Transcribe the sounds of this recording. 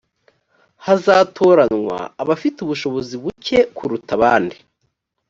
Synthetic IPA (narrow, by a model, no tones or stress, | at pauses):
hazaːtʰo̞ːɾanŋwa̰ːβafituβuʃo̞βo̞ziβuce̞kʰuɾutaβaːndi